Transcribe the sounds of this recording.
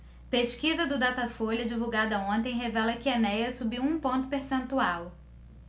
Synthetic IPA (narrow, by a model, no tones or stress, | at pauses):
peʃkizɐd̪ʊd̪at̪ɐfolʲɐd͡ʒivuwɡad̪ɐõnt̪̬ẽj̃ɦevɛlɐkɪɐnɛjɐsubiwũpõnt̪ʊ̥peɾsẽnt̪uaw